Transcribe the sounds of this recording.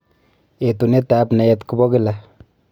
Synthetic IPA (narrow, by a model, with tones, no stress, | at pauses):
e˨tu˨ne˦t̪a˨pna˨ɛt̪ku˨bɔ˦kɪla